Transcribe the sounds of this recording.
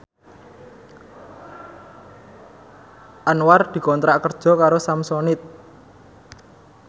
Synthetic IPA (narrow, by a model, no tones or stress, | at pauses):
ʔanward̪̥i̤kɔnt̪ɾaʔkərd̥ʒ̥ɔ̤kaɾosamsɔnɪt̪̚